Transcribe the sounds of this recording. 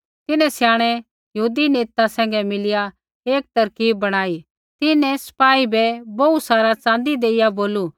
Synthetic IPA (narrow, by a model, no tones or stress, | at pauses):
t̪ɪnɛ̃sjaːɽ̃ɛ | jɐɦuːd̪ineːt̪asɛ̃ːŋɡɛmɪlɪja | eːk̚t̪ɐɾkiːbːɐɽ̃aːi | t̪ɪnɛ̃sɐ̥paːibɛboːusaːɾat͡sãːnd̪id̪eːɪjaboːlu